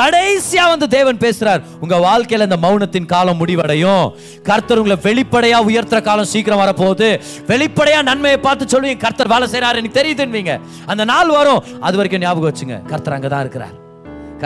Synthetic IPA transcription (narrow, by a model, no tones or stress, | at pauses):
kɐɽɐɪsɪjaːʋɐnd̪ɯd̪eːʋɐnpeːsɯɾaːɾ | ʊŋɡɐʋaːɭkɐjɪlɐɪnd̪ɐmɐʊnɐt̪ːɪnkaːlɐ̃mːʊɽɪʋɐɽɐjʊ̃ | kɐɾt̪ːɐɾʊŋɡɐɭɐʋɛɭɪpːɐɽɐjaːʊjɐɾt̪ɪɾɐkaːlɐ̃msiːkɪɾɐ̃ʋɐɾɐpoːðɯ | ʋɛɭɪpːɐɽɐjaːnɐnmɐjɐpaːɾt̪ɯt͡ʃːɔlːʋiːŋɡɐkɐɾt̪ːɐɾʋeːlɐsɛjɾaːɾɛnːɐkːɯt̪ɛɾɪjɐðɯɪnʋiːŋɡɐ̰ | ɐnd̪ɐnaːlʋɐɾʊ̃ | ɐðɯʋɐɾɐkːʊ̃njaːʋɯkɯʋɐt͡ʃːɯŋɡɐ̰kɐɾt̪ːɐɾɐŋɡɐt̪ã̰ːɪɾɯkːɯɾa̰ːɾ